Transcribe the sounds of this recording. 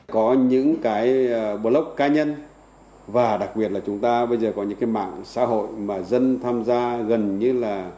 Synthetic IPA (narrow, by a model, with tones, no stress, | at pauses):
kɔ˨˦ɲɨ̰˧˥ŋkaː˨˦jɓo˨˦lə˦˥wk͡p̚kaː˧ɲə˧n | vaː˨˩ɗa˨˩k̚ɓi˨˩ət̚laː˨˩t͡ɕʊ˨˦ŋ͡mt̪aː˧ɓə˧jzəː˨˩kɔ˨˦ɲɨ̰˧˥ŋkaː˨˦jma̰ː˧˨ŋsa̰ː˧˥ɦo̰˧˨jmaː˨˩zə˧nt̪ʰaː˧mzaː˧ɣə˨˩nɲɨ˧laː˨˩